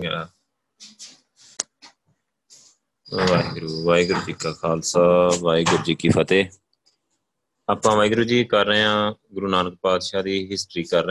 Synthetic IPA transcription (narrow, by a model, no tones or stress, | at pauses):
ʋaːiɡɾuːʋaːiɡɾuːd͡ʒikːaːkʰaːlsaːʋaːiːɡʊɾd͡ʒiːkiːfʰət̪eː | aːpãːʋaːiɡɾuːd͡ʒiːkəɾːeãːɡʊɾuːnaːnək̚paːd̪ʃaːd̪iːɦɪsʈɾiːkəɾ